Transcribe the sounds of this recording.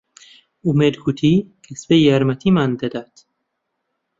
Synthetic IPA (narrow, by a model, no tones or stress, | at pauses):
umed̪ɡut̪ʰikʰesbejæɾmæt̪ʰimand̪ed̪æt̪